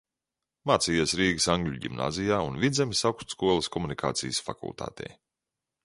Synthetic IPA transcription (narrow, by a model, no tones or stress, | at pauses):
maːt̪siːjusɾiːɡəsaŋɡlʲuɟḭmna̰ːzijaːunvʲid̪zʲemisawkt̪skuɔlˠɐskɔmunikʰa̰ːt̪sḭjsfa̰kṵlˠt̪a̰ːt̪ʰɛ̰j